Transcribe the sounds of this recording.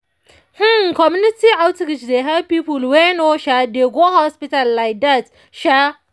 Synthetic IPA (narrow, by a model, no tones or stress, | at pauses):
h̩kɔmjunɪtiawtɪkɪt͡ʃdeɦɛbpiːpulwenoʃadeɡohɔspitalːaɪk̚dat | ʃa